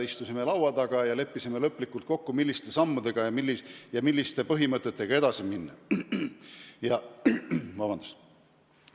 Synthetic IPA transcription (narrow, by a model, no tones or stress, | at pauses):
ist̪usime̞lɑwɑd̪ɑɡ̥ɑjɑle̞pːisimelɤpːˑlikːˑult̪̚ko̞kːumilʲːist̪e̞sɑmːud̪e̞ɡ̥ɑjɑmilːijɑmilːist̪e̞pɤɦimɤt̪ːˑet̪ːˑe̞ɡ̥ɑe̞d̪̥ɑsiminːɑ | jɑ | vɑbɑnd̪̥u̥st̪